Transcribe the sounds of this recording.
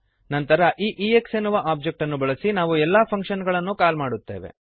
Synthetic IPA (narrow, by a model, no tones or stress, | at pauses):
nɐnt̪ɐɾɐʔiːʔiːeksenːuʋɐʔaːp̚d͡ʒek̚ʈɐnːubɐɭɐsinaːʋuɛlːaːpʰɐŋkʂɐnɡɐɭɐnːukaːlmaːɽut̪ːeːʋe̞̰